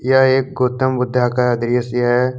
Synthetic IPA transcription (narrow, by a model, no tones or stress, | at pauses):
jaeːk̚ɡoːt̪əmbʊd̪ʱːakaɐd̪ɾijəsjaɦɛ